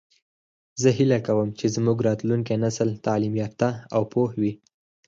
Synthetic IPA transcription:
zəɦilakawəmt͡ʃezmuɡɾɑt̪luŋkenasəlt̪alimjɑpt̪aawpohwi

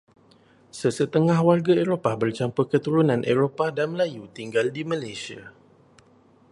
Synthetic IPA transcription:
səsət̪əŋãhwarɡaeɾopabərt͡ʃampəkət̪uɾunãnʔeɾopadanməlajut̪iŋɡaldimãlajsia

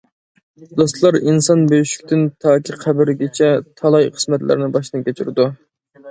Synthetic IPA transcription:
d̪ost̪lˠɑɾinsɑnbøjyʃy̥kʲt̪ʰɪnt̪ʰɑːkʲiqʰæbɪɾɡʲet͡ʃʰɛt̪ʰɑlˠɑjqʰə̥smɛt̪lɪ̰ɾnɪbɑʃnɨkʲʰet͡ʃʰyɾɪd̪u

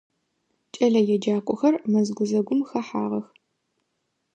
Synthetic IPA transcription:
t͡ʃʼɐɮɐjɛd͡ʒaːkʷʼɔxɐrmɐzɡʷʊzɐɡʷʊmxɐħa̰ːʁɐx

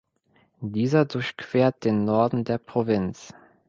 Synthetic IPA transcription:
d̥iːzɐdʊɐçkv̥eːɐt̚d̥eːnːɔɐdn̩deːɐpʁ̥ovɪnt͡s

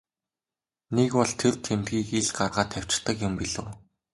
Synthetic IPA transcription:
nekwɔɮt̪ʰert̪ʰemt̪̚ɡiːkeɮɢarʁaːt̪ʰæw̥ʲt͡ɕt̪ə̆kjʊmpiɮɘ̆w

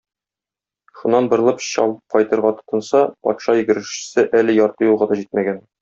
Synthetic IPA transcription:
ʃunːɑnbŏɾ̆lˠɤpɕɒ̰lˠqɒjt̪ɤ̆ɾʁɑt̪ŏ̥t̪ɤ̆nsɑpɒ̰t̪ʃɑjɘ̆ɡɘ̆ɾɘ̆ɕɘ̥̆sɘʔælɘjɒɾt̪ɤjulˠʁɑd̪ɒʑit̪̚mæɡæn

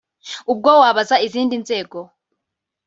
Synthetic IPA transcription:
ub̚ɡowaːβazaiziːndinzeːɡo

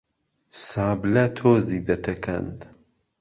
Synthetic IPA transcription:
saːblɐt̪ʰoːziːd̪ɐt̪ʰɐkʰɐ̰nd̪

